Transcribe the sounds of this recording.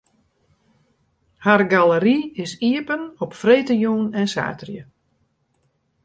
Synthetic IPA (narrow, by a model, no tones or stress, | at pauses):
harɡaləɾiɪsiəpənɔpfreːtəjuːnɛnsa̰ːtrjə